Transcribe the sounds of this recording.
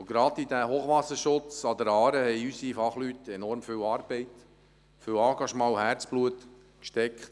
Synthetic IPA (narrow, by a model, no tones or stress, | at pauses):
ɡɾɑd̪id̪æhoːχʋɑsəɾʃʊt͡sɑd̪əɾɑːɾəhɛɪysifɑχlyt̪ɛnɔɾmføːwɑːɾb̥ɛɪt̪ | føːwɑːɡɑʃmɑːwhæɾt͡sb̥luət̪ | kʃtɛkχt